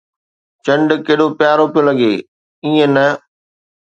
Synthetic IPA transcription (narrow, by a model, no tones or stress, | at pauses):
t͡ɕɐ̃ɳɖkɐːɗopɪjaːɾopijolɐɡeː | iːẽnɐ